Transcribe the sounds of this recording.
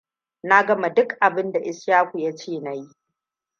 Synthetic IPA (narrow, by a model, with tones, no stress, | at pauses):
na˦ɡɐ˦ma˨dʊ˦kʔa˨bɪ˦nda˨ʔɪ˦sjaː˦kʷu˨ja˦t͡ʃeː˦˨na˨ji˦